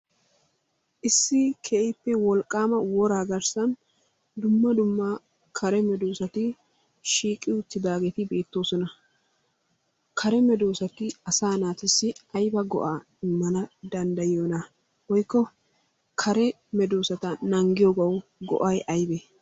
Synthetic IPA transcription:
ʔɪsːɪkʰɛʔɪpːɛwɔlkʼːaːmɐwɔɾaːɡɐɾsɐn | d̪ʊmːɐd̪ʊmːɐ | kʰɐɾɛmɛd̪oːsɐt̪ɪ | ʃiːkʼːɪʊt̪ːɪd̪aːɡeːt̪ɪbe̞ːt̪ːo̞ːsɔnɐ | kʰɐɾɛmɛd̪oːsɐt̪ːɪɐsaːnaːt̪ɪsːɪɐjbɐɡɔ̰ʔaː | ɪmːɐnɐd̪ɐnd̪ɐjjoːnɐ | wɔjkːɔ | kʰɐɾɛ | mɛd̪oːsɐt̪ɐnɐŋɡɪjoɡɐwɡɔ̰ʔɐjʔɐjbɛ

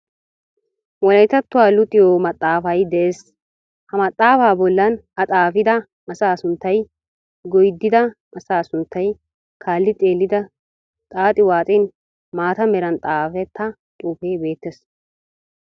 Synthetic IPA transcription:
wɔlɐjt̪ːɐt̪ːʊwaːlʊt̪ʼːɪjoːmɐt̪ʼːaːfɐjd̪ɛʔeːs | hɐmɐt̪ʼːaːfaːbɔlːɐn | ɐt͡s̪ʼaːfɪd̪ɐ | ɐsaːsʊnt̪ːɐj | ɡɔjd̪ːɪd̪ɐ | ʔɐsaːsʊnt̪ːɐj | kʰaːlːɪt͡sʼe̞ːlːɪd̪ɐ | t̪ʼaːt̪ʼɪwaːt͡sʼɪn | maːt̪ɐmɛɾɐnt̪ʼaːfɛt̪ʰːɐ | t̪ʼuːfeːbe̞ːt̪ːes

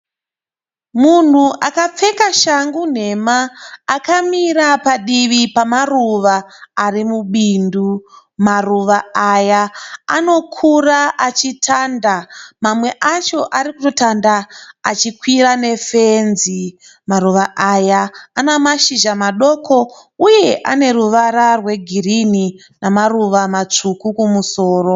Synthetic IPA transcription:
mun̤uʔakap͡fe̞kaʃaŋɡun̤e̞maːkamiɾapaɗiʋipamaruʋaːrimuɓindu | maruʋaːjaːno̞kʰuraʔat͡ʃitʰandamamwe̞ʔat͡ʃo̞ʔaɾikuto̞tandaːt͡ʃikwirane̞fenzi | maruʋaʔajaːnamaʃiʒamaɗo̞kʰo̞uje̞ʔane̞ɾuʋaɾarwe̞ɡʱirini | namaruʋamat͡ʂukukumuso̞ːro̞

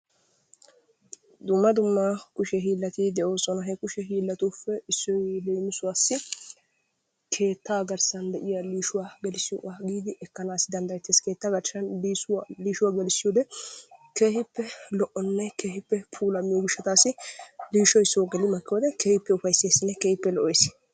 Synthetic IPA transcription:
d̪ʊmːɐd̪ʊmːakʊʃɛɦiːlːɐt̪iːd̪ɛʔo̞ːsɔnɐɦɛkʊʃɛɦiːlːɐt̪uːfːɛɪsːɔjleːmɪsʊwaːsːɪ | kʰe̞ːt̪ːaːɡɐɾsɐnd̪ɛʔɪjɐliːʃʊwaːɡɛlɪsɪjɔʔaɡiːd̪ɪʔɛkːɐnaːsɪd̪ɐnd̪ɐɾɛt̪ːeːske̞ːt̪ːaːɡɐɾʃɐnliːsliːʃʊwaːɡɛlɪsːɪjɔːd̪ɛke̞ːhɪpːɛlɔʔɔnːɛkeːhɪpːɛpʰuːlɐmɪjɔɡɪʃːɐt̪aːsɪliːʃɔjɪsːɔwɡɛlɪmɐkːɪjoːd̪ɛkeːhɪpːɛʊfɐjseːsːɪnːɛkeːhɪpːɛlɔʔɔsɪ

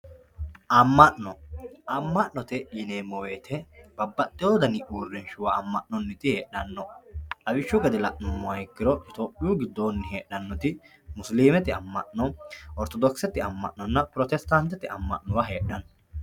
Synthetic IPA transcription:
ʔɐmːɐʔnɔʔɐmːɐʔnɔt̪ɛjɪneːmːɔweːt̪ʰɛbɐbːɐt̪ːɪjoːd̪ɐnɪʔuːrːɛnʃʊwɐːmːɐʔnɔnːɪt̪ɪheːᶑɐnːɔᶑɐbɪʃːʊɡɐd̪ɛlɐʔnʊmːʊɐjɛkːɪɾɔt̪oːpʼːɪjuːɡɪd̪ːoːnːɪheːɗːɐnːɔt̪ɪ | mʊsliːmɛt̪ɪɐmːɐ̰ʔnɔʔɔɾt̪ɔd̪ɔksɛt̪ːɪɐmːɐ̰ʔnːɔnːɐpɾɔt̪ɛst̪ɐnt̪ːɛt̪ːɪɐ̰mːɐ̰ʔnʊwɐɦeːᶑɐnɔ

